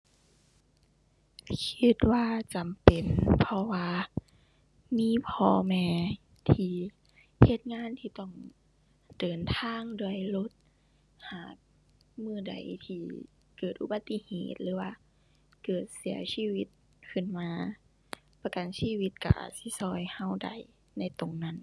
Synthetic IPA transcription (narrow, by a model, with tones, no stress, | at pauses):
kʰi˧t̪̚waː˧t͡ɕa˨mpe˨˩npʰɔ˧waː˧ | miː˧˥˨pʰɔː˧mɛː˧ | t̪ʰiː˧ | he˧t̪̚ŋaː˧˥˨nt̪ʰiː˧t̪ɔ˧˩ŋ | dɤː˨˩nt̪ʰaː˧˥˨ŋdu˧˩əjlo˧˦t̪̚ | haː˧˩k̚ | mɯː˧˩˨da̰˨˩jt̪ʰiː˧ | kɤː˨˩t̪̚ʔṵ˧ba˧t̪ːi˧˨hḛː˧˨˩t̪̚lɯː˨˦waː˧ | kɤː˨˩t̪̚si˩˦ɐsiː˧˨wi˧t̪̚ | kʰɯ˧˩˨nmaː˧ | pa˧ka˨nsiː˧˨wi˧t̪̚ka̰˧˩ʔa̰˨˩si˧˦sɔː˧˩jha˧˩wda̰˨˩j | na˧˩jt̪o˨ŋna˧˩˨n